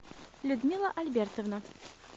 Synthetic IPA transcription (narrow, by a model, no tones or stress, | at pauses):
lʲʊd̪mʲilˠəʔɐlʲbʲert̪əvna